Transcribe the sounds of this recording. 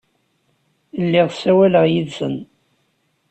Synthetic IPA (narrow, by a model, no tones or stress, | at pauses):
lːiʁsæwæləʁjiðsə̰n